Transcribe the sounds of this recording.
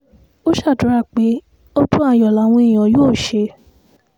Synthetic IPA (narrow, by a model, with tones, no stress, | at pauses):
o˦ʃa˦˨du˨˦ɾa˦˨k͡pe˨˦ | ɔ˦tũ˦a˧˨jɔ˨la˨˦w̃ĩ˧ĩ˨ɔ̃˨˦ju˦o˦˨ʃe˧